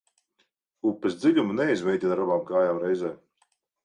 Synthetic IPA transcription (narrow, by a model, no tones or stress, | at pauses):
upːɛsd̪ziʎʲumunɛizmʲɛjd̪ʲinaɾabaːmkaːjaːmɾɛjzɛː